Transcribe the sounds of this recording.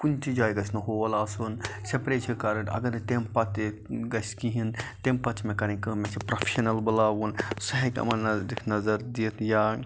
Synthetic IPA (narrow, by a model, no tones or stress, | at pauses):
kunt͡ʃʰid͡ʒaːjɡɐsnɐɦoʋɐlaːsunsepɾeːt͡ʃʰikɐɾɐʈɐ̰ɡɐɾt̪empɐt̪ | ɡɐskiɦint̪empɐt͡ʃʰmẽkɐɾĩnʲkimet͡ʃʰipɾopʰeʃɐnɐlbɐlaːʋunsɐɦekʲɐ̰mɐnnɐd̪ikʰnɐzɐɾd̪it̪ʰja